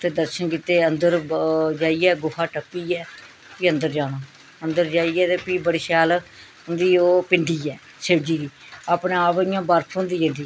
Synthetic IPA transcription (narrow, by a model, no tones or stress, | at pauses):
t̪eːd̪əɾʃənkiːt̪eːənd̪əɾd͡ʒaːiːɛːɡʊfʰaːʈəpːiːɛː | piːənd̪əɾd͡ʒaːɽ̃oː | ənd̪əɾd͡ʒaːiːɛːt̪eːpiːbəɽiːʃaːl | ɦʊnd̪iːoːpɪɳɖiːɛː | seːbd͡ʒiːd̪iː | aːpneːaːpɪjãːbaːɾpʰõːnd̪iːd͡ʒə̃nd̪iː